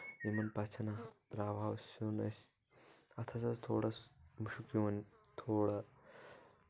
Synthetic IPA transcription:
ʋimɐnpɐt͡ʃʰɐnɐd̪ɾaːʋaːwsunɐ̰s | ɐt̪ʰɐsɐst̪ʰo̰ːɽɐsmuʃukiʋɐnt̪ʰoːɽɐ

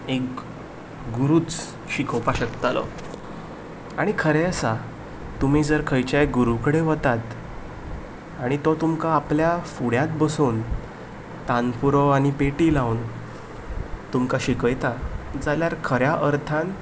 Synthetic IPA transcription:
ek | ɡuɾuːt͡s | ɕikʰopaɕəkt̪alɔ̰ | aɽ̃ikʰəɾeəsa | t̪um̤id͡zəɾkʰəjt͡ɕajɡuɾukəɽeʋət̪at̪ | aɽ̃it̪ɔt̪umkaːpljafuɽjat̪̚bəsuːn | t̪anpuɾɔaɽ̃ipeʈilaun | t̪umkaɕikəjt̪ad͡zaljaɾkʰəɾjaʔəɾt̪ʰãn

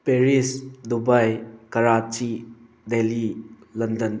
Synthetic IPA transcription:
peɾisdubajkɐɾat͡ʃi | deli | lɐndɐn

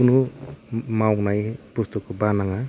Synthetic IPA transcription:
unu | mawnajpust̪okːobanaŋa

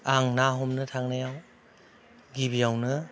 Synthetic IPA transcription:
aŋnaɦɔmnɯtʰaŋnajaw | ɡibijawnɯ

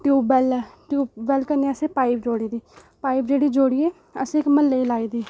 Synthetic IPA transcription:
ʈjuːbɛlɛʈuːbɛlkəneəseːpaːip̚d͡ʒoːɽiːd̪iː | paːipd͡ʒeːɽiːd͡ʒoːɽiːeː | ə̰sĩːɪkməlːeilaːiːd̪iː

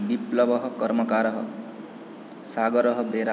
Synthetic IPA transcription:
biplʌbʌɦʌkʌrmʌkaɾʌɦʌ̰ | saɡʌɾʌɦʌbeɾa

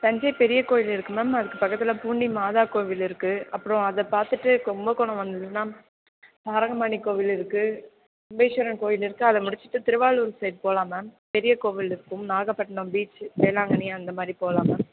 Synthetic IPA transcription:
sɐɲd͡ʒɐjpɛɾɪjɐkoːjɪlɪɾɯkːɯmɐmɐðɯkːɯpɐkːɐt̪ːɪlɐpuːɳɖimaːðaːkoːʋɪlɪɾɯkːɯɐpːɯɾɔ̃ɐðɐpaːɾt̪ɯʈːɯkɔmbɐkɔɳɐ̃ʋɐnd̪ɯtːɯnaː | saːɾɐŋɡɐmaːnikoːʋɪlɪɾɯkːɯ | ʊmbeːʃɐɾɐnkoːjɪlɪɾɯkːɯɐðɐmʊɽɪt͡ʃːɪ̥ʈːɯt̪ɪɾɯʋaːɭuːɾsɐɪɖ̚poːlaːmɐpɛɾɪjɐkoːʋɪlɪɾɯkːɯmnaːɣɐpːɐʈːɐnɯ̃mbiːt͡ʃʋeːlaːŋɡɐniɐnd̪ɐmaːd̪ɾipoːlaːmɐ

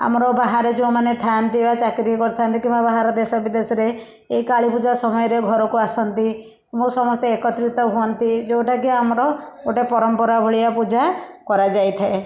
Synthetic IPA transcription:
a̰mɔɾɔbaɦaɾed͡ʒeũmanet̪ʰant̪iebat͡ʃakɾiɔkɔɾt̪ʰant̪ikimbabaɦaɾɔd̪esɔbid̪esɔɾe | eikaɭipud͡ʒasɔmɔjɔɾeɡʱɔɾɔkuasɔnt̪i | mũsɔmɔst̪eekɔt̪ɾit̪ɔɦuɔnt̪id͡ʒewʈakiamɔɾɔoʈepɔɾɔmpɔɾabʱɔɭijapud͡ʒʱakɔɾad͡ʒajt̪ʰae

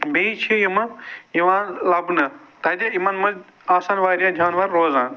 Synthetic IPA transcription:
beit͡ʃʰijɐmɐiʋaːnlɐbnɐt̪ɐːd̪aimaːnmɐz | aːsaːnʋaːɾijaːd͡ʒʱaːnʋaɾːoːzaːn

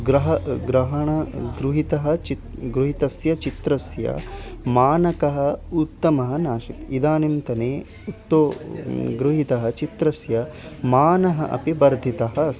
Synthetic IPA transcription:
ɡɾɐɦɐɡɾɐɦɐɳɐɡɾuɦit̪ɐɦɐ̆t͡ʃ | ɡɾuɦit̪ɐsjɐt͡ʃit̪ɾɐsjɐ̰maːnɐkɐɦɐ̆ut̪ːɐmɐɦɐnaːʃik̪id̪aːnimt̪ɐneː | ut̪ːoːɡɾuɦit̪ɐɦɐt͡ʃit̪ɾɐsjɐmaːnɐɦɐʔɐ̰pibɐɾd̪ʱit̪ɐɦɐ

